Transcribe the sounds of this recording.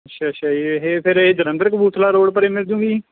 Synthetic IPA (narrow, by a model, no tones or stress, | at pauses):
ətːʃʰaːʃʰaːeɦeːpʰɪɾeːd͡ʒəɾə̃nd̪əɾkbuːt̪ʰlaːɾoːɽpəɾeːmɪld͡ʒũːɡiː